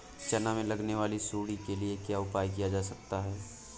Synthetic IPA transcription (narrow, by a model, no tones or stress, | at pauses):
t͡ʃɐnamẽlɐɡneʋaːlisuːɽikeliekjaːʊpaːjk̬ijad͡ʒaːsɐk̚t̪aɦɛː